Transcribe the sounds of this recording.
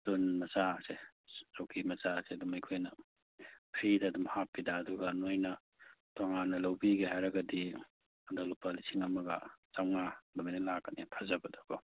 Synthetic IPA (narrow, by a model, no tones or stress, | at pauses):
tunmɐt͡ʃaɐse | sowkʰimɐt͡ʃaɐsedumajkʰojnɐ | pʰɾidɐːdumhapːidaːduɡɐnojnɐ | toŋanːɐlawbiɡiɦajɾɐɡɐdi | ɐdalupalisiŋɐmɐɡɐ̰t͡ʃawnalamanɐlakːɐnipʰɐzɐbɐdɔɡo